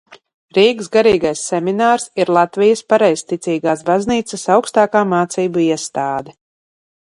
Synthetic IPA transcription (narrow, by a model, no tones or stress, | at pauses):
ɾiːɡzɡaɾiːɡajsːɛminaːɾsiɾlˠat̪vijɐspaɾɛjzt̪it̪siːɡaːsbazniːt̪sɐsawkst̪aːkaːmaːt̪siːbuiɛst̪aːd̪ɛ